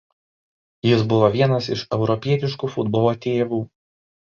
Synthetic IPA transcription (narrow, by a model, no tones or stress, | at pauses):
jɪsbʊʋoʋʲiɛnɐsɪʃɛʊɾɔpʲiɛt̪ʲɪʃkuːfʊd̪bɔːlˠoːt̪ʲeːʋuː